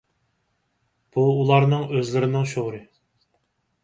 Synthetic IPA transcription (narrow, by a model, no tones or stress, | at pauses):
b̥uːlˠɑɾnɨŋøzlɪɾɪnɪŋʃoʁɾɨ